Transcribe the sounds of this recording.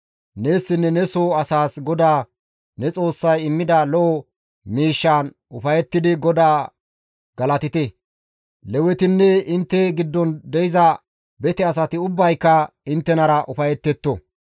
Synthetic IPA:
ne̞ːsːɪnːɛnɛsoːɐsaːsɡɔd̪aː | nɛt͡sʼo̞ːsːɐjɪmːɪd̪ɐlɔʔɔ | miːʃːaːn | ʊfɐjɛt̪ːɪd̪ɪɡɔd̪aː | ɡɐlɐt̪ɪt̪ɛ | lɛwɛt̪ɪnːɛɪnt̪ːɛɡɪd̪ːɔnd̪ɛjɪzɐ | bɛt̪ɛɐs̬ɐt̪ɪʊbːɐjkːɐɪnt̪ːɛnɐɾɐʔʊfɐjɛt̪ːɛt̪ːɔ̰

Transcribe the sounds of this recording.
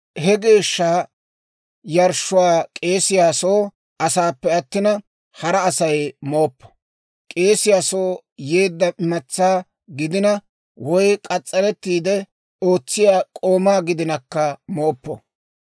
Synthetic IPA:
hɛɡe̞ːʃːaː | jɐɾʃːʊwaːkʼe̞ːsɪjaːso̞ː | ɐsaːpːɛɐt̪ːɪnɐ | hɐɾɐːsɐjmo̞ːpːɔ̥ | kʼe̞ːsɪjaːso̞ːje̞ːd̪ːɐʔɪmɐt͡sːaː | ɡɪd̪ɪnɐ | wɔjkʼɐt͡sʼːɐɾɛt̪ːiːd̪ɛ | o̞ːt͡sːɪjaːkʼo̞ːmaːɡɪd̪ɪnɐkːɐmo̞ːpːɔ̰

